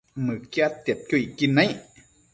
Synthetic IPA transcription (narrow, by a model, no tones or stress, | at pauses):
mɯːkiat̪ip̚kuʔiːkːinːaj